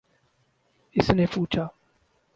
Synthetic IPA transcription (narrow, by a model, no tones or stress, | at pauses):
ɪsnepuːt͡ʃʰaː